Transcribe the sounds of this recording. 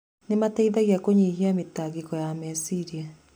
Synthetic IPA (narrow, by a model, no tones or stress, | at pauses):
nemataiðaɣiakoɲiɦiametaɡekɔjamɛsiɾia